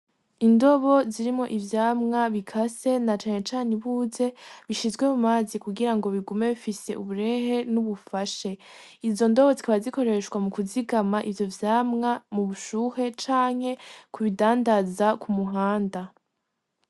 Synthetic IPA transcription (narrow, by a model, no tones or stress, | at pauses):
indo̞βo̞ziɾimŋo̞ʔivjaːmŋaβikʰase̞nat͡ʃaːŋe̞t͡ʃaːneβuːze̞βiʃizɡwe̞mumaːzikuɡiɾaŋɡo̞βiɡume̞βifise̞̰ʔuβuɾe̞he̞nuβufaʃe̞ | izo̞ndo̞βo̞zikaβaziko̞ɾe̞ʃɡwamukuziɡamaʔivjo̞vjaːmŋamuβuʃuːhe̞t͡ʃaːŋ̥he̞kuβidaːndazakumuɦaːnda